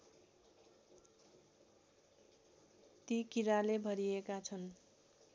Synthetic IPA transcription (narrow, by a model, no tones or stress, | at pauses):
t̪ikiɾalebʱʌɾiekat͡sʰʌn